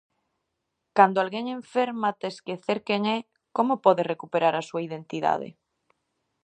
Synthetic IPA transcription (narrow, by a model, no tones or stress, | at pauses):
kand̪oalɣeŋẽɱfeɾmat̪eskeθeɾkeŋɛ | komopɔðerekupeɾaɾasuaið̞ent̪iða̰ð̞ḛ